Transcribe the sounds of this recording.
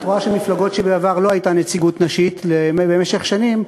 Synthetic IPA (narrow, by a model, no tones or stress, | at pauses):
tʁoaʃelmiflaɡo̞tʃebeavaʁlohajt̪anet͡siɡut̪naʃit̪lemebeme̞ʃe̞χʃanim